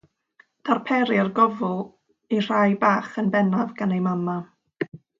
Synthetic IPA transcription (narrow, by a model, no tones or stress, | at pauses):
d̥arpʰɛɾɪrɡɔvʊlˠ | ir̥ajbaːχənbɛnavɡanejmama